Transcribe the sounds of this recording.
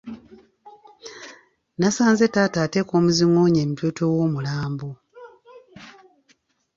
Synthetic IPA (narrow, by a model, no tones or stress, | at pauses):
nasaːnzetataːte̞ko̞ːmuziŋoːɲeːmupjoːtʰowoːmulaːmbo